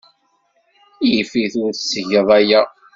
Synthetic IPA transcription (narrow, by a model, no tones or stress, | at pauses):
jifiθʊɾsːʝəðˤæjæ